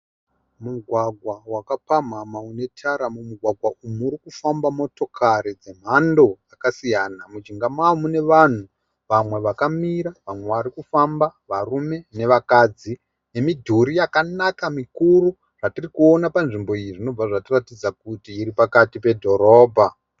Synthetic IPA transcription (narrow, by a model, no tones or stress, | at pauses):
muɡʱwaɡʱwawakapam̤amaune̞tʰaɾamumuɡʱwaɡʱwaʔumuːɾikufambamo̞to̞kʰaɾid͡ze̞m̤ando̞jakasijanamut͡ʃiŋɡamaomune̞ʋan̤u | ʋamwe̞ʋakamiɾaʋamwe̞ʋaɾikufambaʋarume̞ne̞ʋakad͡zi | ne̞midʱuɾijakanakamikuru | ʐ̥atirikuonapanʐimbo̞iiʐino̞b͡vaʐatiratid͡zakutiːɾipakatipe̞dʱo̞ɾo̞ːbʱa